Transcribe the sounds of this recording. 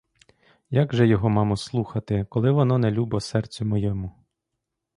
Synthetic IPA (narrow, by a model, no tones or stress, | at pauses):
jaɡʒɛjɔɦɔmɑmʊslˠuxɐt̪ɪkɔlˠɪʋɔnɔnɛlʲubɔsɛrt͡sʲʊmɔjɔmʊ